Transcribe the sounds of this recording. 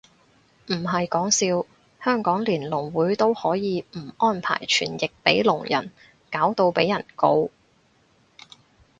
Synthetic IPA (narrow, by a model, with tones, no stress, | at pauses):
m̩˨˩ɦɐ˨jkɔː˨˥ŋsiː˧w | hœː˥ŋkɔː˨˥ŋliː˨˩nlʊ˨˩ŋwuː˨˥jt̪o˥whɔː˨˥jiː˨˧m̩˨˩ɔː˥npʰa̰ː˨˩jt͡ʃʰy̰ː˨˩njɪ˨k̚pe˨˥jlʊ˨˩ŋjɐ̰˨˩n | kaː˨˥wt̪o˧wpe˨˥jɐ˨˩nko˧w